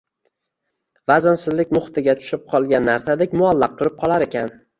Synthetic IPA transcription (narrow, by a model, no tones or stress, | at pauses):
vazansɪzlɪkʲmʊχt̪ʰɪɡʲat̪ʰʊ̥ʃɪp̚qʰɒlˠɡʲanːaɾsad̪ekʲmʊalːɑq̚t̪ʰʊɾɪp̚qʰɒlˠaɾekʲʰan